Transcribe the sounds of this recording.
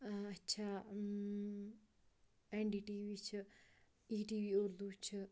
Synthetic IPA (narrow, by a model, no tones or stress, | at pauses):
ɐtːt͡ʃʰa | eɳɖiːʈiːʋiːt͡ʃʰɨ | iːʈiːʋioːɾd̪uːt͡ʃʰɨ